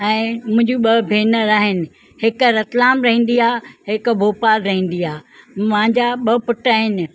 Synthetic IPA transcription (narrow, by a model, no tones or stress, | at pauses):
ɛ̃ːmʊ̃ɦɪ̃ɲd͡ʑuɓɐbʱeːnəɾaːɦɪnɪ̆ | hɪkɾɐt̪laːmɾɐɦĩːn̆d̪iaːɦɪkbʱoːpaːlɾɐɦĩːn̆d̪iaːmãɪ̃ɲd͡ʑaɓɐpʊʈaːɦɪnɪ̆